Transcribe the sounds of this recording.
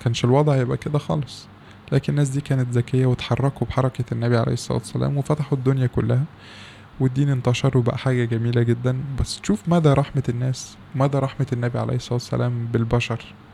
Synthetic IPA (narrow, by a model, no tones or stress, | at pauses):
kæːnʃelwɑd̪ˤʕjebʔæ̰ked̪æxɑ̰ːlesˤ | læːkenenːæːs̬d̪iːkæːnet̪zækejːæwet̪ħɑrˤːɑkobħɑɾˤɑkenːæbiʕalḛjhesˤɑlɑ̰t̪wæ̥sːæ̰læ̰ːmwefæt̪aħud̪ːonjækolːæhæ | wed̪ːiːnent̪ɑʃɑɾˤwebæ̰ʔæħaːɡæɡæmiːlæɡed̪ːænbæsːt̪ʃuːfmæːd̪æɾˤɑħmeenːæːs | wemæːd̪æɾˤɑħmeenːæbiʕa̰lḛjhesˤɑˤlɑːt̪wæ̥sːæ̰lʔæːmbelbæʃɑɾˤ